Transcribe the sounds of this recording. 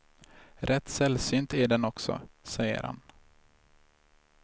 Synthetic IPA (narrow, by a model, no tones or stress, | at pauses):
ɾʔɛt̪ːsɛlsyːnt̪æɖɛnɔksɔ̰sɛjə̰ɾha̰n